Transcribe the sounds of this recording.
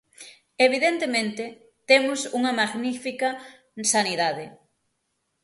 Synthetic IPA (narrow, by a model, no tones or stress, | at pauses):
eβ̞iðent̪emẽnt̪e | t̪emʊsuŋɐmaɣnifikɐ | saniðaðe